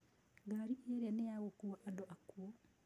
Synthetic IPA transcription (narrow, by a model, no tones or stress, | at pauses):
ɡaɾiʔeɾɛneaɣokuaʔadoʔakuɔ